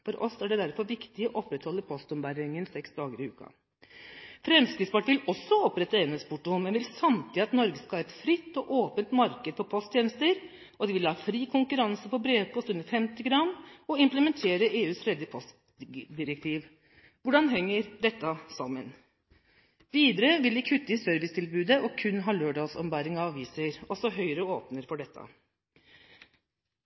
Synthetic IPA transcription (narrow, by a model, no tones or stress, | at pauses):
fɔɾʔɔsæɖɛd̪æɾfɔɾʋɪkt̪ɪɔʔɔpːɾɛt̪hɔlːəɾpʰɔst̪ɔmbæɾɪŋənsɛksd̪ɑːɡəɾɪʉ̰ːkɑ̰ | fɾɛmskɾɪːd̪spɑʈʋɪlɔsːɔɔpːɾɛt̪ːəeːnəspʰʊʈːʊmmɛnʋɪlsɑmt̪ʰɪɑt̪nɔɾɡəskɑɑːɛt̪fɾɪt̪ːɔʔoːpənt̪mɑɾkəd̪fɔɾpʰɔst̪jeːnəst̪əɾ | ɔd̪ɪʋɪlhɑːfɾiːkʰʊŋkʉɾɑnsəpɔbɾeːʋpʰɔst̪ʉnd̪əɾfɛmt̪ɪɡɾɑnɔɪmpləmɛnt̪ʰeːɾəʔeːʉːsɾɛd̪əpʰɔst̪ | d̪ɪɾɛkt̪ʰiːʋ | ʋʊɖɑnɦɛŋːəɾɖ̪ɛt̪ːɑsɔmən | ʋiːd̪əɾəʋɪlɪkʰʉt̪ːɪsœɾʋɪst̪ʰɪlbʉːd̪əʔɔkʰʉnːɦɑːløːɖɑlsɔpəmbɑːɾɪŋɑɑʋiːsəɾɔsɔɦœʏɾəoːpnəɾfɔɖɛt̪ːə̰ɑ̰